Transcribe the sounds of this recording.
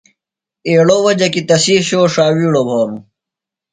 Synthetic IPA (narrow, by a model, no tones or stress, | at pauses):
eːɽowɐd͡ʑɐkit̪ɐsiːɕoːʂaːwiːɽobʱoːɾu